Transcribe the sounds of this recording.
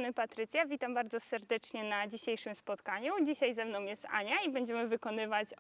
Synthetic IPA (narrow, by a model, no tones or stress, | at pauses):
nɘpat̪ɾɘt̪sʲjavʲit̪ambaɾd̪zɔsɛɾd̪ɛt͡ʂɲɛnad͡ʑiɕejʂɘmspɔt̪kaɲud͡ʑiɕajzɛmnɔ̃w̃jɛst̪a̰ɲaibɛɲd͡ʑɛmɘvɘkɔnɘvat͡ɕ